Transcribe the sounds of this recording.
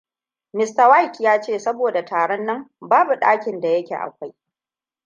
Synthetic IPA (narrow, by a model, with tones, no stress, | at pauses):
mɪ˨sta˨wa˦jtjaː˦t͡ʃeː˦˨sɐ˦boː˨da˨tʰaː˨ɽɛ˦nːɐ˦mbaː˦bu˨ɗaː˦kʲɪ˨nda˨jɐ˦kʲḛ˨ʔa̰˨kʷa˦j